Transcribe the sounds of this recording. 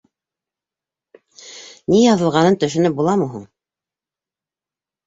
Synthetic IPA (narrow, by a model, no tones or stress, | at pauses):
nijɑðɤ̆lˠʁɑnɤnt̪ɵ̆ʃɘ̆nɵp̚bulˠɑmɤɦuɴ